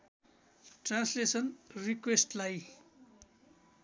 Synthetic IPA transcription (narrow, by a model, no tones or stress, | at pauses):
ʈrãnslesʌnrikwesʈlaj